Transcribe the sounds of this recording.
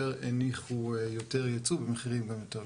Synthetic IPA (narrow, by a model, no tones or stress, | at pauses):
eʁeniχujo̞teʁjat͡subemeχiʁimɡamjot̪e